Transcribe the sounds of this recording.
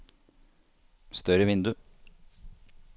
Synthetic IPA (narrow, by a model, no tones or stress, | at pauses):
st̪œɾəʋɪnd̪ʉ